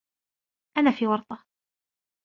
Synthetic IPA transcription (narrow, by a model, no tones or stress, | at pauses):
ʔanaːfiːwɑɾˤt̪ˤɑ